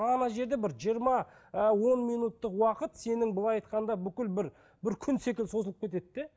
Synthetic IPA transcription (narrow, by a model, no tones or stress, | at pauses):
ɑnɑʒe̞ɾd̪ebɪɾʒijəɾmɑ | əwo̞nmijnut̪ːəqwɑqət̪se̞nɪŋbʊlˠɑjɑjt̪̚qɑnd̪ɑbʏkʲɪlbɪɾ | bɪɾkʲʰʏnse̞kʲɪlso̞səlˠəp̚kʲet̪e̞d̪ːe